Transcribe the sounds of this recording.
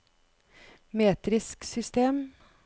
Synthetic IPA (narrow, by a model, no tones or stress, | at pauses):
meːt̪ɾɪsksʏst̪eːm